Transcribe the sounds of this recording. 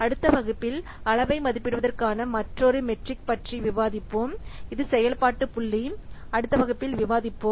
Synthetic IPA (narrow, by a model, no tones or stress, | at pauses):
ɐɽɯt̪ːɐʋɐɣɯpːɪl | ɐɭɐʋɐɪmɐðɪpːɪɽɯʋɐðɐrkaːnɐmɐʈrɔɾɯmɛʈrɪk̚pɐʈriʋɪʋaːðɪpːoːmɪðɯsɛjɐlpaːʈːɯpʊɭːi | ɐɽɯt̪ːɐʋɐɣɐpːɪlʋɪʋaːðɪpːoː